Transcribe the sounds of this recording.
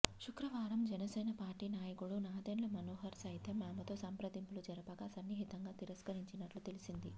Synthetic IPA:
ʃukɾɐʋaːɾɐmd͡ʒɛnɐsɛːnɐpaːɾʈiːnaːjɐkuɽunaːd̪eːnlɐmɐnoːɦɐɾsɐjit̪ʰɐmːaːmɐt̪o̞ːsɐmpɾɐd̪impulud͡ʒɐɾɐpɐkasɐnːjɐɦit̪ɐŋɡaːt̪iɾɐskɐɾiɲt͡ʃinɐʈlut̪e̞lisind̪i

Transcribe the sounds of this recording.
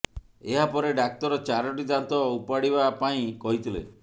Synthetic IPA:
eɦapɔɾeɖak̚t̪ɔɾɔt͡ʃaɾɔʈid̪ant̪ɔupaɽibapaĩkɔɦit̪ʰilḛ

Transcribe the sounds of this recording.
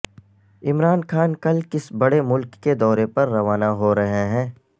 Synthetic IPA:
ɪmɾaːnxaːnkɐlkɪsbɐɽemʊlkːed̪ɔːɾepɐɾːɐʋaːnaɦoɾɐɦeɦɛ̃ː

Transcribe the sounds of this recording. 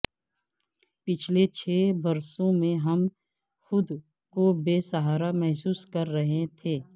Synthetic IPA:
pɪt͡ʃʰlet͡ʃʰeːbɐɾsõmẽɦɐm | xʊd̪ | kobeːsəɦaːɾamɛɦsuːskɐɾːɐɦẽt̪ʰeː

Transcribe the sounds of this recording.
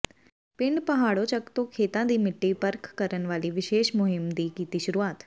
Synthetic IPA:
pɪ̃ɳɖpəɦaːɭot͡ʃəkt̪okʰeːt̪ãd̪iːmɪʈːipəɾkʰːəɾənʋaːliʋɪʃeːʃmʊɦɪmd̪ikiːt̪iʃʊɾuaːt̪

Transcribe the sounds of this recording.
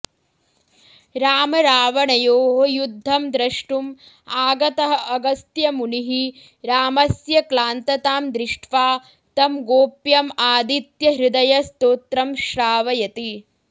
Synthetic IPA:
ɾaːmɐɾaːʋɐɳɐjoːɦɐjud̪ʱːɐmd̪ɾɐʂʈum | aːɡɐt̪ɐɦɐ̆ʔɐɡɐst̪jɐmuniɦi | ɾaːmɐsjɐklaːnt̪ɐt̪aːmd̪ɾɪʂʈʰʋaː | t̪ɐmɡoːpjɐmaːd̪it̪jɐɦɾud̪ɐjɐst̪oːt̪ɾɐmʃɾaːʋɐjɐt̪i

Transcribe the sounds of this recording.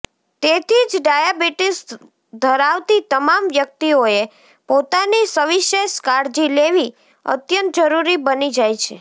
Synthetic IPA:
t̪et̪ʰid͡ʒɖajabiʈis | d̪ʱəɾaʋt̪it̪əmamʋjək̚t̪ioe | pot̪anisəʋiʃeʃkaɾd͡ʒileʋi | ə̰t̪jənt̪̚d͡ʒəɾuɾibənid͡ʒajt͡ʃʰḛ

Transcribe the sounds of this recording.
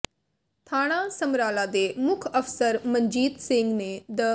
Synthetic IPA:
t̪ʰaːɽ̃asəmɾaːlad̪eːmʊkʰəfsəɾmə̃nd͡ʒiːt̪sɪ̃ŋɡned̪ə

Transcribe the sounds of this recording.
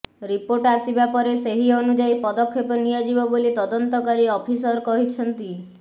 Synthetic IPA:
ɾipoɾʈasibapɔɾeseɦiɔnud͡ʒajpɔd̪ɔkʰːepɔnijad͡ʒibɔbolit̪ɔd̪ɔnt̪ɔkaɾiɔpʰisɔɾkɔɦit͡ʃʰɔnt̪i

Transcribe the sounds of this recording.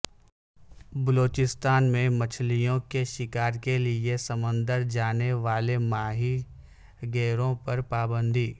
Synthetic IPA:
bəloːt͡ʃɪst̪aːnmẽmət͡ʃʰlijõkeʃɪkaːɾkeliesəmə̃nd̪əɾd͡ʒaːneʋaːlemaːɦi | ɡeːɾõpɐɾpaːbə̃nd̪ʱiː

